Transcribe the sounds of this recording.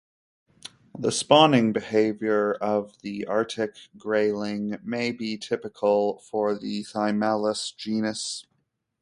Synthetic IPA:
ðəspɑnɪ̃ŋbɨheɪvjə˞ʌvðiʔɑɹɾɪkɡ̥ɹeɪlˠɪ̃ŋmeɪbitʰɪpɨkʰl̩ˠfə˞ðɨθaɪmælˠəsd̥ʒ̥ĩnɨs

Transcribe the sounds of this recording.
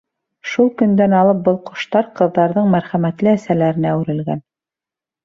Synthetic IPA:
ʃulˠkɵ̆nd̪ænɑlˠɤp̚bɤlˠqŏ̥ʃt̪ɑɾqɤ̆ðːɑɾðɤɴmæɾχæmæt̪lɘæsælæɾɘ̆næwɾɘ̆lɡæ̰n

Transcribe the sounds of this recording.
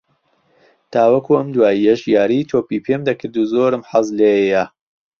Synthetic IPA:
t̪ʰaːwɐkuːʔɐmd̪waːijɐʃjaːɾit̪ʰoːpiːpʰemd̪ɐkʰɨɾd̪uzoːɾɨmħɑzleja

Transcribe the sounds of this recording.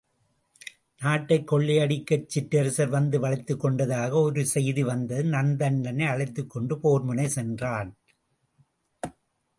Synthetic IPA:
naːʈːɐɪkːɔɭːɪɐɽɪkːɐt͡ʃːɪʈːɐɾɯsɐɾʋɐnd̪ɯʋɐɭɐɪt̪ːɯkːɔɳɖɐðaːɣɐɔɾɯsɛjðiʋɐnd̪ɐðɯnɐnd̪ɐɳdɐnɐɪɐɭɐɪt̪ːɯkːɔɳɖɯpoːɾmʊnɐɪsɛndraːn

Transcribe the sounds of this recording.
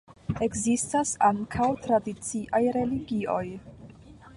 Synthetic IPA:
e̞kzistasaŋkʰawtɾadit͡siʔajɾe̞liɡio̞j

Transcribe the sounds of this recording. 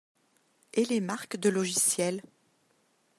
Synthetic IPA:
elemaʁkd̪əlɔʒisjɛl

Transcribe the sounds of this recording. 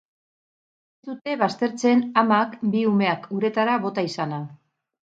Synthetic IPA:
est̪ut̪e̞βast̪e̞ɾt͡se̞namakbiume̞akuɾe̞t̪aɾaβo̞t̪aisana

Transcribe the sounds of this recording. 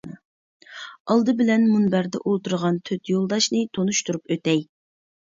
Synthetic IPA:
ɑlˠd̪ɨbɪlɛnmunbæɾd̪ɛ̰ʔolˠt̪uɾʁɑnt̪ʰøt̪jolˠd̪ɑʃnɨt̪ʰonuʃt̪uɾupøt̪ɛj

